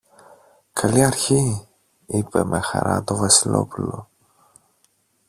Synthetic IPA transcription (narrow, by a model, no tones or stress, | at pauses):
kʰɐliɐɾçi | ipe̞mʔe̞xɐ̰ɾɐ̰t̪o̞vɐsilo̞̰pulo̞̰